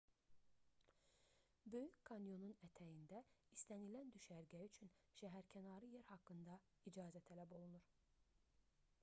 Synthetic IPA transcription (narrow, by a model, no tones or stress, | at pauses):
bø̞jyckʰːɑnjo̞nunæt̪ʰæjind̪æist̪ænilænd̪yʃæɾɡæyt͡ʃʰynʃæɦæɾcʰænɑɾɯjeɾhɑkːɯnd̪ɑ | id͡ʒɑːzæt̪ʰælæbo̞lˠunuɾ